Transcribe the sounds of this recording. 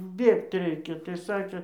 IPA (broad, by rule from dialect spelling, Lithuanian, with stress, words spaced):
ˈbʲeːkt ˈrʲɛɪkʲɛ tɐɪ ˈsɑːkʲeː